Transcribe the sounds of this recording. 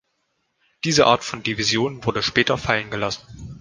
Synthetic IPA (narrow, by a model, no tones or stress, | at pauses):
d̥iːzəʔa̰ːɐtfɔndivizjoːnvʊɐdəʃpɛːtɐfalənɡəlasn̩